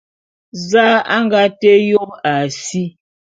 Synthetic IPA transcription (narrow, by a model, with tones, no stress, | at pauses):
za˦a˦ŋɡa˦tɛ˦jo˦a˨si˦